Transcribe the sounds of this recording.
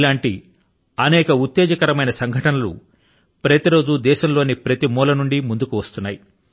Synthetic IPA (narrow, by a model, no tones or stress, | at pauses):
laːɳʈi | ɐnɛːkɐut̪ːɛːd͡ʒɐkɐɾɐmɐjnɐsɐŋɡʱɐʈɐnɐlṵ | pɾɐt̪iɾo̞ːd͡ʒud̪ɛːʃɐmlo̞ːnipɾɐt̪imɔːlɐnuɳɖimund̪ukuʋɐst̪unːaːji